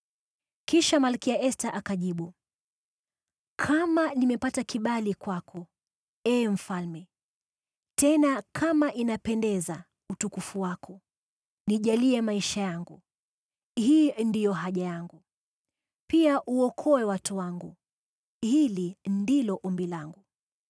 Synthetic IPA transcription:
kiʃamalkiaʔɛstaʔakaʄiɓu | kʰamanimɛpatakiɓalikwakʰɔ | ɛːm̩falmɛ | tɛnakʰamaʔinapɛndɛza | utukufuwakʰɔ | niʄaliɛmaiʃajaŋɡu | hiːndijɔɦaʄajaŋɡu | piaʔuɔkʰɔwɛwatuwaŋɡu | hilindilɔʔɔmbilaŋɡu

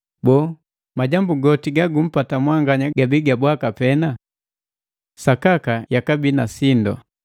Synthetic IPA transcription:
bɔː | maɟambuɡɔtiɡaɡum̩patamwaŋɡaɲaɡabiɡabwakapɛna | sakakajakabinasindɔ̰

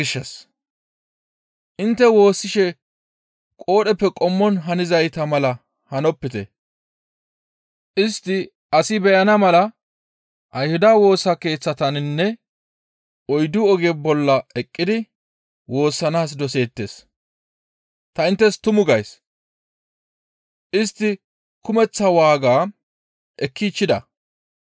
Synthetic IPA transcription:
ɪʃːɛs | ʔɪnt̪ːɛwo̞ːsːɪʃɛ | kʼo̞ːɗɛpːɛkʼɔmːɔnɦɐnɪzɐjt̪ɐmɐlɐ | hɐnɔpːɪt̪ɛ̰ | ʔɪst̪ːɪ | ɐsɪbɛjɐnɐmɐlɐ | ʔɐjhʊd̪aːwo̞ːsːɐke̞ːt͡sːɐt̪ɐnnːɛ | ɔjd̪ʊɔɡebɔlːɐɛkʼːɪd̪ɪ | wo̞ːsːɐnaːs̬d̪ɔse̞ːt̪ːe̞s | t̪ɐɪnt̪ːɛst̪ʊmʊɡɐjs | ʔɪst̪ːɪ | kʊmɛt͡sːɐwaːɡaː | ʔɛkʰːiːt͡ʃːɪd̪ɐ̰

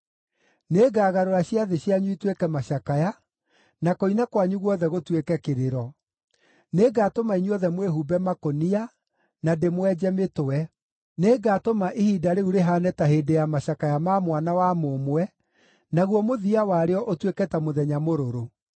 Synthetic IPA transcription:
neːɡaːɣaɾoɾaɕiaðeɕiaɲuitwekɛmaɕakaja | nakoinakwaɲuɣwɔðɛɣotwekɛkeɾeɾɔ | neɡaːtomaiɲuɔðɛmweɦubɛmakonia | nademwɛd͡ʑɛmetowɛ | neːɡaːtomaʔihiːdaɾeuɾeɦanɛtaɦedejamaɕakajamamwanawamomwɛ | naɣwɔmoðiawaɾeɔʔotwekɛtamoðɛɲamoɾoɾo

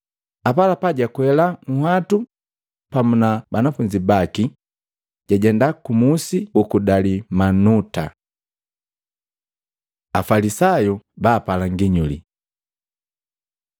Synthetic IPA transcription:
apalapaɟakwɛlaŋ̩hatu | pamunabanafuɲd͡ʒibaki | ɟ̥aɟɛndakumusiukudalimanuta̰ | afalisajɔbaːpalaŋɡiɲulḭ

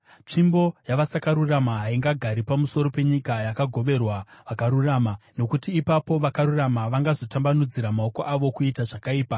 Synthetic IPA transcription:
t͡ʂimbo̞jaʋasakaɾuramaɦaiŋɡaɡʱaɾipamuso̞ɾo̞pe̞ɲikajakaɡʱo̞ʋe̞rwaʋakaɾuramano̞kutiːpapo̞ʋakaɾuramaʋaŋɡazo̞tambanud͡ziɾamao̞ko̞ʔaʋo̞kuitaʐakaiːpa

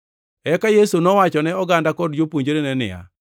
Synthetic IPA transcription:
ɛkajesunɔwat͡ʃɔnɛɔɡandakɔdd͡ʒopuɲd͡ʒɾenɛnɪ̰ja̰

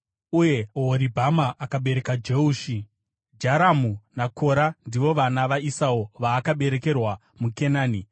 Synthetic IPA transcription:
uje̞ɦoɾibʱamaʔːkaɓe̞ɾe̞kad͡ʒeuːʃi | d͡ʒaɾamunakʰo̞ɾandiʋo̞ʋanaʋaisaoʋaːkaɓe̞ɾe̞ke̞rwa | muke̞naːni

